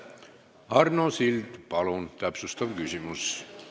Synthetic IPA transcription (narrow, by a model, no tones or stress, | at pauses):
ɑrnosilt̪pɑlont̪æpsust̪ɑmkysymus